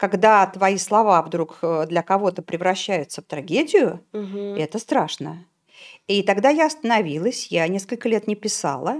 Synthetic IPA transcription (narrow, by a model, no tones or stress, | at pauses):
kɐɡd̪at̪vɐislˠɐvavd̪ɾukd̪lʲəkɐvo̞t̪əpɾʲɪvɾɐɕːæjʊt̪səft̪ɾɐɡʲedʲɪjʊɛt̪əst̪ɾaʂnə | it̪ɐɡd̪ajaɐst̪ənɐvʲilˠəsʲjanʲe̞skəlʲkəlʲe̞t̪nʲɪpʲɪsa̰lˠə